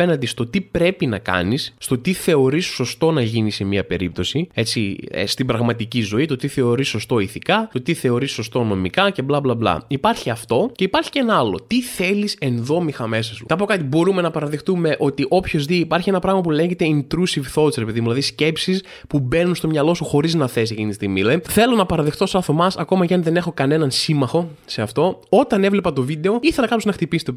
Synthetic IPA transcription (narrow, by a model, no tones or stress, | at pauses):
enɐnd̪ist̪o̞t̪ipɾe̞pinɐkɐ̰nisːt̪o̞t̪iθe̞o̞ɾisːo̞st̪o̞nɐʝinise̞miɐpe̞̰ɾip̚t̪o̞sie̞t͡sḭst̪ibɾɐɣmɐt̪icizo̞it̪o̞t̪iθe̞o̞ɾisːo̞st̪o̞iθikɐt̪o̞t̪iθe̞o̞ɾisːo̞st̪o̞no̞mikɐce̞blɐblɐblɐ̰ipɐɾçiɐft̪o̞ce̞ipɐɾçi̥ceenɐɐlo̞̰t̪iθe̞lise̞nðo̞mixɐme̞sɐsut̪ɐpo̞kɐt̪ibo̞ɾume̞nɐpɐɾɐðext̪ume̞ʔo̞t̪iʔopço̞zðiːpɐɾçie̞nɐpɾɐɣmɐpule̞ɲçe̞t̪e̞int̪ɾusivθo̞sɾe̞peðimuðilɐðisce̞psis | pube̞nunst̪o̞mɲɐlo̞suxo̞ɾiznɐθe̞s̬iecinit̪ist̪imḭleθe̞lo̞nɐpɐɾɐðext̪o̞sɐθo̞mɐsɐko̞mɐceɐnðe̞ne̞xo̞kɐne̞nɐnsimɐxo̞seɐft̪o̞o̞t̪ɐne̞vle̞pɐt̪o̞vid̪e̞o̞iθe̞lɐkɐpoznɐxt̪ipisi̥t̪e